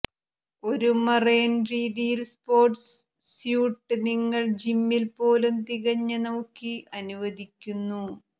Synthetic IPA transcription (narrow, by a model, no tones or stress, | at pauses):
o̞ɾumɐreːnriːðijilspo̞ːrʈs | sjuːʈːɨniŋːɐɭd͡ʑimːilpo̞ːlumt̪iɣɐɲːɐnɐwkːiʔɐnuʋɐðikʲːunːu